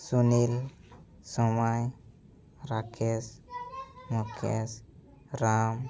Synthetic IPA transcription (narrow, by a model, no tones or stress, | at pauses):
sunil | sɔmaj | ɾakʰes | mokʰḛs | ɾam